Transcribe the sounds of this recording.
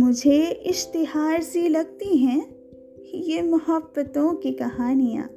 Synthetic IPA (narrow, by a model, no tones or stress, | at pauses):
mʊd͡ʒʱeɪʃt̪ɪɦaːɾzilɐɡ̚t̪iɦɛ̃ | jemɐhəbːət̪õkikɐɦaːnijã̰ː